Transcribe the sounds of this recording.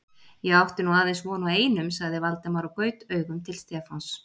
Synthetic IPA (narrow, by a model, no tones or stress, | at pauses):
jɛɣawht̪ɪnuaːðejnsvɔːnaeːjnʏmsaɣðɪvalt̪amaɾakœːɥt̪œːɥɣʏmt̪ʰɪlst̪ɛfans